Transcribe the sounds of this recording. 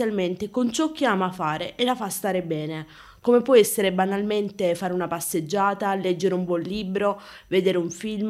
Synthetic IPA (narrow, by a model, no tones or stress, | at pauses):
alment̪ekont͡ʃɔk̟ːiaːmafaːɾeʔelafast̪aːɾebɛːne | komepːwɔɛsːeɾebanalment̪efaːɾeunapasːed͡ʒːaːt̪alɛd͡ʒːeɾumbɔnliːbɾo | ved̪eːɾeuɱfilm